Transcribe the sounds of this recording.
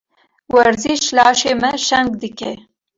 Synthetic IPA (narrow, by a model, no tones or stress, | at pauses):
waɾzɪʃlɑʃeməʃaŋɡd̪ikḛ